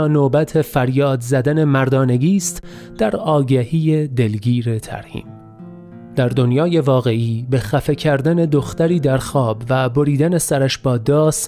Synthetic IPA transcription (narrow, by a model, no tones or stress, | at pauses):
noːbæt̪ʰe̞fæɾjɒːd̪zæd̪æne̞mæɾd̪ɒːne̞ɡiːst̪ | d̪̥æɾɒːɡæhiːje̞d̪e̞lɡiːɾe̞t̪ʰæ̰ɾhḭːm | d̪̥æɾd̪onjɒːje̞vɒːɣe̞ʔiːbe̞xæfe̞cʰæɾd̪æne̞d̪oxt̪æɾiːd̪æɾxɒːbvæbo̞ɾiːd̪æne̞sæɾæʃbɒːd̪ɒːs